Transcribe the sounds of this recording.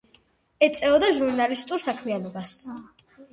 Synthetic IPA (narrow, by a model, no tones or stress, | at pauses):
ɛt̪sʼɛɔd̪aʒuɾnalist̪ʼuɾsakʰmianɔbas